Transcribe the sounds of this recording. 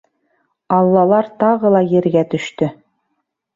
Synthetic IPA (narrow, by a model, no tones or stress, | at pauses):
ɑlˠːɑlˠɑɾt̪ɑʁɤlˠɑjɘ̆ɾɡæt̪ɵ̆ʃt̪ɵ